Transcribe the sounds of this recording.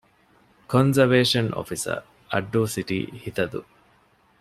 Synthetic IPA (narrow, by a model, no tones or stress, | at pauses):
konzɐʋeːʃɐnʔo̰fisɐ̰ɾ | ɐɖːuːsiʈḭːhit̪ɐd̪ṵ